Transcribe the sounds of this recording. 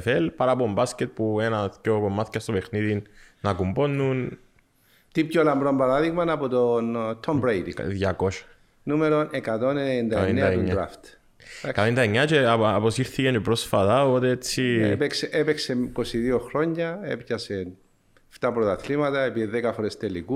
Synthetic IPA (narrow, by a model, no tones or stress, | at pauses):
felpɐɾapombascet̪̚puenɐtcopomːɐθcɐst̪ope̞xniðinnɐkumbo̞nːun | t̪ipçolɐmbɾombɐɾaðiɣmɐnɐpot̪ont̪ʰombɾejd̪iðʝɐko̞ʃɐ̥ | numeɾonekɐt̪oneneend̪ɐenned̪ɐeuɲːɾa̰ft̪ | kaend̪ɐeɲːɐt͡ʃeːposiɾθicenpɾosfɐt̪ɐopot̪eet͡sipekseʔepeksekosiðioxɾo̞ɲːɐepcɐsen | ft̪ɐpɾot̪ɐθlimɐt̪ɐepiðiðekɐxoɾest̪eliku